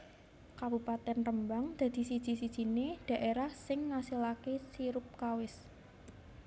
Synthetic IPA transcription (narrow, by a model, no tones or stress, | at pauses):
kabupat̪ɛnrəmbaŋd̪̥ä̤d̪̥i̤sid̥ʒ̥isid̥ʒ̥i̤ned̪̥ä̤ʔeɾahsɪŋːasilakesiɾʊp̚kawɪs